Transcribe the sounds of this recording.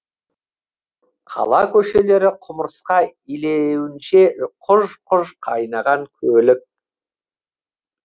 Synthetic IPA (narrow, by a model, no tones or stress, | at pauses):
qʰɑ̰lˠɑkʲʰɵʃe̞le̞ɾɪqʰʊməɾsqɑilewɪnʃe̞qʰʊʒqʰʊʒqʰɑjnɑʁɑŋkʲʰɵlɪk̚